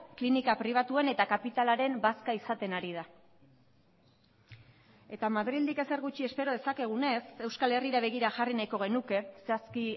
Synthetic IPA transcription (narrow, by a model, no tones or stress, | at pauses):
klinikapɾiβ̞at̪ue̞ne̞t̪akapit̪alaɾe̞mbaskaisat̪e̞naɾið̞a | e̞t̪amaðɾild̪ike̞se̞ɾɣut͡ʃie̞spe̞ɾo̞ð̞e̞sake̞ɣ̞une̞se̞wskale̞riɾaβ̞e̞ɣ̞iɾaʝarinajko̞ɣ̞e̞nuke̞seaski